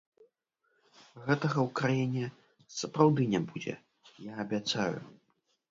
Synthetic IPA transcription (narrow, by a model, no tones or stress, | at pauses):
ɣɛt̪ɐɣɐwkɾajinʲɛ | sɐpɾawd̪ɨnʲɛbud͡zʲɛ̰ | jaːbʲat̪sa̰jṵ